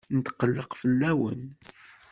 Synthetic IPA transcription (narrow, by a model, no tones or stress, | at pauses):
nət̪qəlːəqfəlːæwə̰n